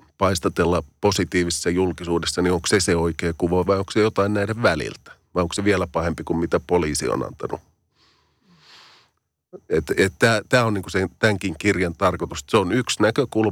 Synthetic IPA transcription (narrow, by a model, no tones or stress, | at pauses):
pɑist̪ɑt̪elːɑposit̪iːʋissːɑjulkisuːdesːɑnioŋkseseoikeːkuʋoiʋɑioŋksejot̪ɑinnæideʋʋælḭlt̪ʋɑjoŋkseʋielæpɑhempikummit̪æpoliːsḭo̰nɑ̰nt̪ɑ̰nṵ | et̪ett̪æːt̪æːoniːŋkusent̪æŋkiŋkirjɑnt̪ɑrkot̪usseonyksnækøkul